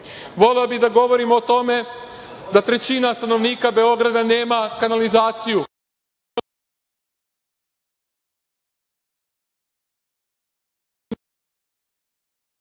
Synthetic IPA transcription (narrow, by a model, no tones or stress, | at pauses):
ʋo̞leobid̪aɡo̞ʋo̞ɾimo̞ːt̪o̞me̞d̪at̪ɾe̞t͡ɕinast̪ano̞ʋniːkabe̞o̞ɡɾad̪ane̞ːmakanalizaːt̪siju